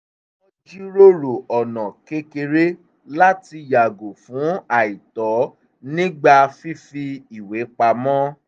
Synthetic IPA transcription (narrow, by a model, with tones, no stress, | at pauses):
o˦d͡ʒi˦ɾo˦ɾo˨ɔ˨nɔ̃˨ke˧˦ke˧ɾe˦ | la˦ti˧˨ja˨ɡo˨fũ˨˦a˦˨i˨tɔ˨˦ | nĩ˦ɡ͡ba˧fi˦fi˧i˨we˨˦k͡pa˧mɔ̃˦